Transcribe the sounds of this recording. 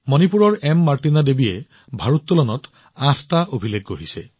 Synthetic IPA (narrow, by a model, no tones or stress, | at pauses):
mɔnipuɾɔɹemːaɾtinad̪ebie | bʱaɹut̪ːɔlɔnɔt̪ | atʰt̪aʔobʱileɡːoɦisḛ